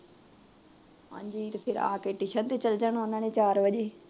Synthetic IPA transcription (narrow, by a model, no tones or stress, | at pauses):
ɦã̰ːɲd͡ʒiːt̪epʰɪɾa̰ːkeːʈiʃənt̪et͡ʃəld͡ʒəɳõːnãːneːt͡ʃaːɾʋəʄeː